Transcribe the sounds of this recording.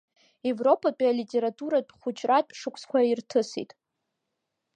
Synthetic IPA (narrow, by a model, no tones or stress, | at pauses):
evro̞pʰʼapʼalitʼe̞ɾatʰʼuɾapʼχʷʊt͡ʃʰʼratʼʂɨkʷʰskʷʰairtʰɨsḭtʼ